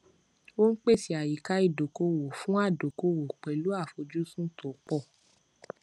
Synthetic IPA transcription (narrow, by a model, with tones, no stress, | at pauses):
wo˦n̩˦k͡pe˦˨si˨˧a˨ji˨ka˧˦i˦˨do˨ko˧wo˨fũ˦a˦˨do˨ko˧wo˨k͡pɛ˨lu˨˦a˦˨fo˧d͡ʒu˦sũ˦to˨˦k͡pɔ˦˨